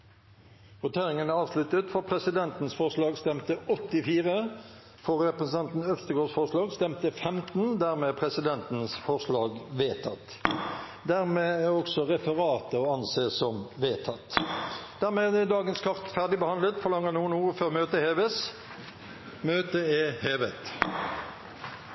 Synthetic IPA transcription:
ʁʊt̪ʰeːʁɪŋənæʁɑːʋslʉt̪ət̪fɔʁpʰʁɛsɪd̪ɛnt̪n̩sfɔʁʂlɑːɡst̪ɛmt̪əɔt̪ːɪfiːʁə | fɔʁɛpʁəsnʰɑnt̪n̩œfst̪əɡoːsfɔʁʂlɑːɡst̪ɛmt̪əfɛmt̪n̩d̪æʁmeːpʰʁɛsɪd̪ɛnt̪n̩sfɔʁʂlɑːɡʋeːt̪ʰɑt̪ː | d̪æʁmeːæɔksɔʁɛfəʁɑːt̪əoːɑnseːsɔmʋeːt̪ʰɑt̪ːd̪̥æʁmeːd̪ɛd̪ɑːɡənskʰɑʁt̪fæʁɖ̪ɪbəhɑnd̪ət̪fɔlɑŋːəʁnuːənuːføːʁmøːt̪əheːʋəs | møːt̪əɛheːʋət̪

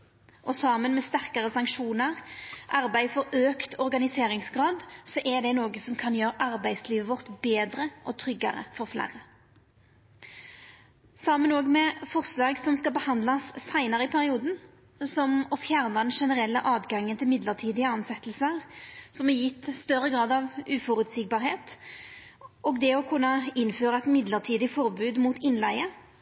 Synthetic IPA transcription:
ʔɔsɑmənmɛst̪æʁkəʁəsɑŋkʃuːnəʁʔɑɾbæɪfɔɾøːkt̪ʰɔʁɡɑnɪseːʁɪŋsɡʁɑːd̪sɔʔɛʁd̪ɛnoːɡəsɔmkʰɑnjøːɾəʔɑʁbæɪsliːʋəʋɔʁt̪beːd̪ʁəʔɔt̪ʰʁʏɡɑ̰ʁə̰fɔʁflæ̰ʁə | sɑmənoːɡmɛfɔʁslɑːɡsɔmskɑlbəhɑnd̪lɑsːæɪnəʁəɪpʰæʁɪuːd̪n̩ | sɔmɔfjæʁnɑd̪ɛnʂɛnəʁɛlːəʔɑːd̪ɡɑŋːənt̪ʰɪlmɪd̪ləʁt̪ʰiːd̪ɪəɑnsɛt̪ːlsəʁsɔmɛjɪt̪ːst̪œɾːəɡʁɑːd̪ɑʋʉːfɔɾʉt̪siːk̚bɑːʁheːt̪ | ʔɔːɡd̪ɛɔkʰʉnːəɪnføːʁɑɛt̪mɪd̪ləʁt̪ʰiːd̪ɪfɔʁbʉːd̪muːt̪ɪnlæɪə

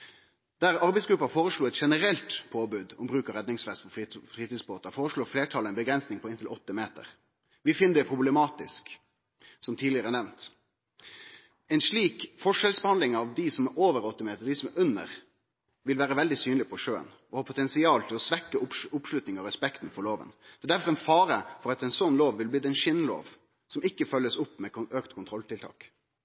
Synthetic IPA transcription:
d̪̥æɾɑɾbɛɪsɡɾʉpːɑfoːɾəʂɭuːɛt̪ʂɛnəɾɛlt̪pʰoːbʉːd̪ɔbɾʉːkəɾɛd̪nɪŋsfɛst̪pʰɔffʁiːt̪iːsboːt̪əfoːɾəʂɭoːɾfleːʈʰɑləɛnbəɡɾɛnsnɪŋpʰɔɪnt̪ʰɪlʔɔt̪ːəmeːt̪ə̰ɾ | ʋɪfɪnːəd̪ɛpʰɾʊblɛmɑːt̪ɪsk | sɔmt̪ʰiːd̪ɪəɾənɛʋnt̪ | ɛɪnʂɭiːkfɔʂɛlsbɛhɑnd̪lɪŋɑʋd̪ɪsɔmɛoːʋəɾɔt̪ːəmeːt̪əɾd̪ɪsɔmɛʔʉnə̰ʁ | ʋɪlʋæːɾəʋɛld̪ɪsyːnlɪpʰɔʂøːə̰n | ɔhɑːpʰʊt̪ʰɛnsɪɑːlt̪ʰɪlɔsʋɛkːəʊʊpʂlʉt̪nɪŋɑɾɛspɛkt̪n̩fɔɾloːʋə̰nd̪̥ɛd̪æɾfɔɾɛnfɑːɾəfɔɾɑt̪ɛnsɔnːloːʋʋɪlb̪iːd̪ɛɪnʃɪnːlo̰ːʋ | sɔmɪkːəfœlːəsʊpːmɛøːkt̪kʰʊnt̪ʰɾɔlt̪ʰɪlt̪ʰɑ̰ːk

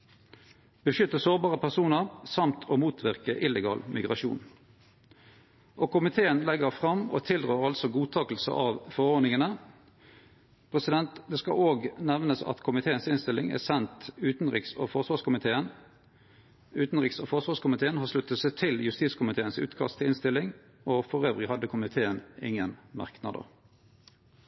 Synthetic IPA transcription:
b̥əʃʏt̪ːəsoːʁbɑːʁəpʰæʁsuːnəʁsɑmt̪ʰoːmuːt̪ʰʋɪʁkəʔɪləɡɑ̰ːlmɪɡʁɑʃṵːn | ʔoːkʰʊmɪt̪ʰeːənlɛɡəʁfʁɑmo̰ːt̪ʰɪlʁøːʁɑlsɔɡuːt̪ʰɑːkəl̩sə̰ʔɑʋfɔʁoːʁd̪nɪŋənə | pʰʁɛsɪd̪ɛnt̪d̪ɛːskɑ̰oːɡnɛʋnəsɑ̰t̪kʰʊmɪt̪ʰeːənsɪnst̪ɪlɪŋæ̰ːsɛnt̪ʉːt̪n̩ʁɪkso̰ːfɔʁsʋɑːʁʂkʊmɪt̪ʰeːən | ʉːt̪n̩ʁɪkso̰ːfɔʁsʋɑːskʊmɪt̪ʰeːənhɑːʁʂlʉt̪ːət̪sɛɪt̪ʰɪljʉst̪iːtskʰʊmɪt̪ʰeːənsʉ̰ːt̪kʰɑ̰st̪ʰɪlɪnst̪ɪlɪŋ | oːfɔʁøːʋʁɪhɑd̪əkʰʊmɪt̪ʰeːənɪ̰ŋːənmɑ̰ʁknɑ̰d̪ə̰ʁ

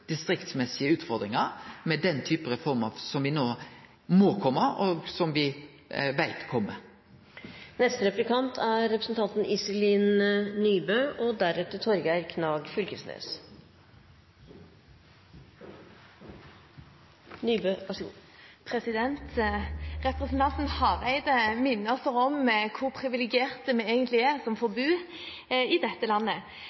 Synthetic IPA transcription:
d̪̥ɪst̪ɾɪkt̪smɛsɪəʉːt̪fɔɾd̪ɾɪŋɑɾmɛd̪ɛnt̪ʰyːpəɾəfɔɾməsɔmʋɪnoː | moːkʰɔmːəɔɡsɔmʋɪ | ʋæɪt̪kʰɔmːə | nɛst̪əɾɛplɪkʰɑnt̪ʰæɾɾɛpɾəsn̩t̪ʰɑnt̪n̩ʔɪsɪliːnnyːbøːʔɔd̪æɾʉt̪ət̪ʰɔɾɡæɾkʰnɑːɡfʏlkəsnḛːs | nyːbøːʋɑʂpʰɾɛsɪd̪ɛnt̪ | ʁɛpʁəsn̩t̪ʰɑnt̪n̩hɑʁæɪd̪əmɪnːəsəʁɔmkʰʊʁpʰʁɪʋɪlɪɡɪeːʁt̪əmɛeːɡənt̪lɪæʁsɔmfɔɾbʉː | ɪd̪ɛt̪ːəlɑnːə

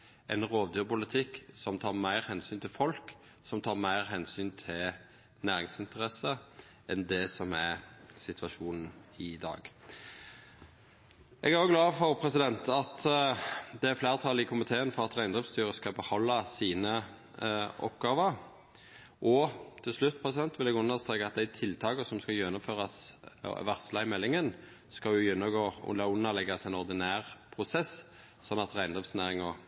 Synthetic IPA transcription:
ʔɛnʁoːʋd̪yːpʊlət̪ʰɪkːsɔmt̪ʰɑːʁmæɪʁhɛnsyːnt̪ʰɪlfɔlk | sɔmt̪ʰɑːʁmæɪʁɦɛnsyːnt̪ʰɪl | næːɾɪŋsɪnt̪əʁɛsə | ʔɛnd̪ɛsɔmæsɪt̪ʰʋɑʃuːnn̩ɪd̪ɑ̰ːɡ | ʔɛɡæʁjʊɡlɑːfɔʁpʰɾɛsɪd̪ɛnt̪ɑt̪ | d̪ɛæflæːʁt̪ʰɑlɪkʰʊmɪt̪ʰeːənfɔʁɑt̪ʁæɪnd̪ʁɪfst̪yːʁəskɑbəhɔlːɑsiːnə | ʔɔ̰pɡɑːʋəʁ | ʔɔt̪ʰɪlslʉt̪ːpʰʁɛsɪd̪ɛnt̪ʋɪlɛɡʉnːəʁst̪ʁeːkɑɑt̪̚d̪æɪt̪ʰɪlt̪ʰɑːkəsɔmskɑjɛnːʊmføːʁɑsʋæʁt̪slɑɪmɛlːɪŋən | skɑʊjɛnːɔɡoːʊ̰lɑʊnːɑlɛɡɑsæɪnɔʁd̪ɪnæːʁpʰʁʊsɛs | sɔnːɑt̪ʁæɪnd̪ʁɪftsnæːʁɪŋɔ

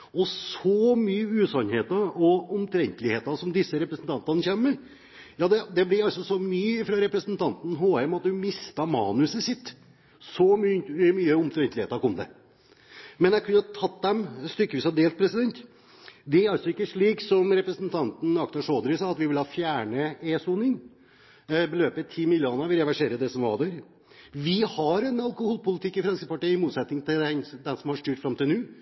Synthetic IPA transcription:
ɔsɔmyːəʉːsɑnheːt̪ɑɔɔmt̪ʰɾɛnt̪əlɪheːt̪ɑsɔmd̪ɪsːəɾɛpɾəsnt̪ʰɑnt̪ɑnəçɛmːəɾ | jɑːd̪ɛd̪ɛblɪɾɑlsɔsɔmyːɪfɾɑɾɛpɾəsnt̪ʰɑnt̪n̩ɦoːɛmɑt̪hʉmɪst̪ɑmɑ̰ːnʉsəsɪt̪ː | sɔmyːmyːəɔmt̪ʰɾɛnt̪lɪeːt̪ɑɾkɔmd̪ɛ̰ | mɛnjæɪkʰʉnːəɑt̪ʰɑt̪d̪ɛmst̪ʏkːəʋiːsɑd̪eːlt̪̚pʰɾɛsɪd̪ɛnt̪ | d̪ɛæɾɑlsɔɪkːəʂɭiːksɔmɾɛpɾəsnt̪ʰɑnt̪n̩ɑkt̪ɑʂoːd̪ɾɪsɑːɑt̪ʋɪʋɪlhɑːfjæːɳəeːsuːnɪŋ | bəløːpət̪ʰiːmɪljuːnɑʋɪɾɛʋæʂeːɾəd̪ɛsɔmʋɑ̰d̪æɾ | ʋɪhɑɾɛnɑlˠkʊhuːlpʊlɪt̪ʰɪkːɪfɾɑnskəpɑʈiːəɪmuːt̪sɛt̪nɪŋt̪ʰɪlɛnd̪ɛnsɔmhɑʂt̪yːʈfɾɑmt̪ɪlnʉː

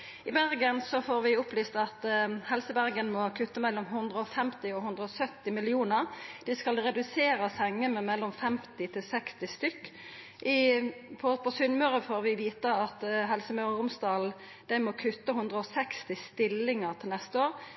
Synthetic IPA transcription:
ɪbæʁɡənsɔfoːɾʋɪʊplyːst̪ɑt̪hɛlsəbæʁɡənmɔkʰʉt̪ːəmɛlːɔmɦʉnd̪ʁəɔfɛmt̪ɪɔhʉnd̪ʁəɔsœt̪ːɪmɪlɪuːnəɾd̪̥ɪskɑlʁɛd̪ʉseːɾəsɛŋːəmɛmɛlːɔmfɛmt̪ɪt̪ʰɪlsɛkst̪ɪst̪ʏkː | ʔɪpʰɔpʰɔsʏnmœːʁəfoːɾʋɪʋiːt̪əɑt̪ɦɛlsəmœʉɾəʁʊmst̪ɑːl | d̪̥æɪmɔkʰʉt̪ːəɦʉnd̪ʁəɔsɛkst̪ɪst̪ɪlːɪŋəʁt̪ʰɪlnɛst̪əoːʁ

